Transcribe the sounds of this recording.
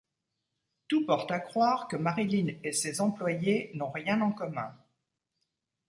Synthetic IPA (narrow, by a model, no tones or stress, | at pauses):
t̪upɔʁt̪akχwaʁkəmaʁilinesezɑ̃plwajenɔ̃ʁjɛ̃nɑ̃kɔmɛ̃